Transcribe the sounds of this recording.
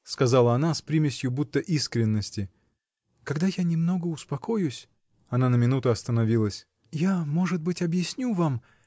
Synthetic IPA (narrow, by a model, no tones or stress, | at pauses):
skɐzalˠəɐnaspɾʲimʲɪsʲjʊbut̪ːəʔiskɾʲɪnːəsʲtʲɪ | kɐɡd̪ajanʲɪmno̞ɡəʊspɐko̞jʊsʲ | ɐnanəmʲɪnut̪ʊɐst̪ənɐvʲilˠəsʲ | jamo̞ʐɨd̪̚bɨtʲɐbjɪsʲnʲuvam